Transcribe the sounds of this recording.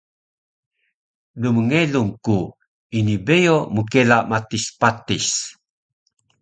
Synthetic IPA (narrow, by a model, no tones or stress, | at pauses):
luməŋeluŋku | inibejomukelamatispatis